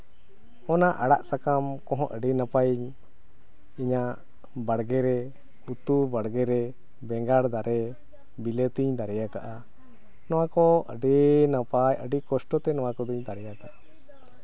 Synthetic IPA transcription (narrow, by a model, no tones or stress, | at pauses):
ɔnaʔaɽaʔsakamkɔ̃ɦɔ̃ʔəɖinapajiɲ | iɲaʔ | baɽɡɛɾɛ | ut̪ubaɽɡɛɾɛ | bɛŋɡaɽd̪aɾɛ | bilet̪iɲd̪aɾɛjakaʔa | nɔwakɔə̰ɖɛnapajə̰ɖikɔsʈɔt̪ɛnɔwãkɔd̪iɲd̪aɾɛjakaʔa